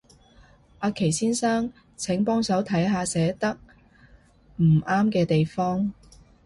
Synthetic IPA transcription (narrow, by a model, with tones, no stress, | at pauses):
aː˨˧kʰe˨˩jsiː˥nsaː˥ŋ | t͡sʰɛ˨˥ŋpɔː˥ŋsɐ˨˥wt̪ʰɐ˨˥jɦaː˧sɛː˨˥t̪ɐ˥k̚ | m̩˨˩ʔaː˥mkɛː˧t̪e˨jfɔː˥ŋ